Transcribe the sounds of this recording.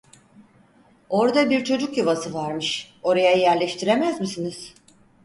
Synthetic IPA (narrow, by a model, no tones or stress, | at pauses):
o̞ɾd̪abiɾt͡ʃʰo̞d͡ʒukjavasɯvaɾmɯʃ | o̞ɾajajæɾlʲɛʃt̪ʰiɾemæzmisiniz̥